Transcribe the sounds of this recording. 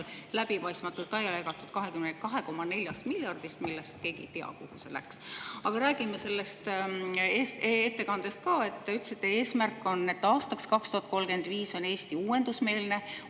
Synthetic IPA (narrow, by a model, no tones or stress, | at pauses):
llæb̥ipɑjst̪mɑt̪ːˑult̪ːˑɑjɑleɡɑt̪ːˑud̪̥̚kɑɦe̞kymnkɑɦe̞ko̞mɑne̞lʲjɑst̪miljɑrd̪̥ist̪milːest̪ke̞ːɡ̥ḭt̪eɑ̰kuhuse̞̰læ̰ksɑɡ̥ɑɾæːɡ̥imese̞lːe̞st̪eset̪ːe̞kɑnd̪̥e̞st̪̚kɑːe̞t̪ːeyt̪ːˑesit̪ːˑee̞ːsmærkˑːo̞nːe̞t̪ːɑːst̪ɑkskɑkst̪uhɑt̪̚ko̞lɡ̥e̞nd̪viːso̞ne̞ːst̪iuːwe̞nd̪usme̞ːlne̞